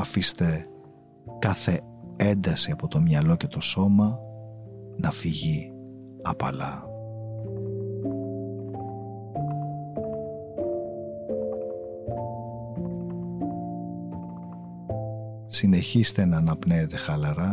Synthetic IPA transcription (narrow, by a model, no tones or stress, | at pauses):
ɐfist̪e̞ | kɐθe̞ | end̪ɐsiɐpo̞t̪o̞mɲɐlo̞ce̞t̪o̞so̞mɐ | nɐfiʝi | ɐ̰pɐ̰lɐ | sine̞çist̪e̞nɐːnɐpneet̪e̞xɐlɐɾɐ